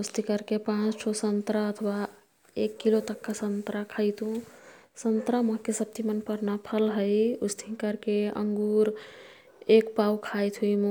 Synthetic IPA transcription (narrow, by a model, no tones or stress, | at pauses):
ust̪ʰikəɾkepãt͡ʃʈʰosənt̪ɾaət̪ʰwa | ekːilot̪əkːasənt̪ɾakʰəjt̪ɦũ | sənt̪ɾaməɦkesəb̚t̪imənpəɾnapʰəlɦəjust̪ʰĩkəɾkeə̰ŋɡuɾ | ekpawkʰajt̪ɦujm